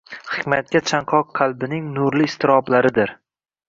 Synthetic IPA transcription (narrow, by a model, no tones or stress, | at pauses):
hɪ̥kʲmat̪̚kʲat͡ʃʰaɴqʰɒqːʰɑlˠbɪnɪŋnʊɾlɪːst̪ʰɪɾɒblaɾɪd̪ɪɾ